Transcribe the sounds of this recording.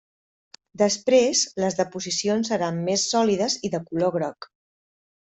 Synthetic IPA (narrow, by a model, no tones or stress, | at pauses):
d̪əspɾezləzðəpuzisionsːəɾamːesːɔliðəziðəkuloɣɾɔk